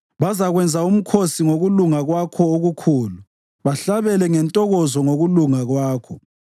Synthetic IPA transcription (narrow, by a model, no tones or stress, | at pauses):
βazaɣwɛnd͡zʱaum̩kʰosiŋoɣuluŋaɣwakʰɔoɣukʰuːlu | βaɬaβɛlɛŋɛntʼɔɣɔzɔŋoɣuluŋaɣwaːkʰɔ